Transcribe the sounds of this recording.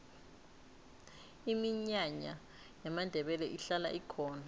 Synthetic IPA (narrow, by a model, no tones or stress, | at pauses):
imiɲaɲa | jamandʱɛɓɛlɛʔiɬala̰ʔikʰɔːna